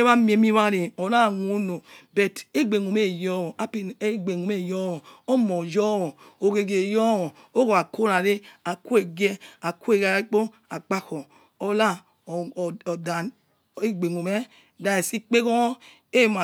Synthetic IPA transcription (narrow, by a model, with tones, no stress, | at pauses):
e˦βa˦mi˦e˨mi˦βa˦ɾe˨o˨ɾa˦˨no˦no˨be˨te˦ɡ͡be˨ŋo˨me˦jɔ˦wo˨a˦pe˨˦ɡ͡be˨ŋu˨me˦˨jɔ˦wo˨o˦mo˨d͡ʒɔ˦wo˨o˨ɡe˨ɡe˨jɔ˦wo˨ | o˦ko˨a˨ko˦ɾa˨ɾe˦a˨ku˦e˨ɡe˦a˨ku˦e˦˨ɡa˨˦k͡po˦ | a˨k͡pa˦ko˨ | o˨la˦˨ | da˨n˦ | e˦ɡ͡be˨ŋu˨me˦ | da˨e˨si˦k͡pe˦ko˦ | e˦˨ma˨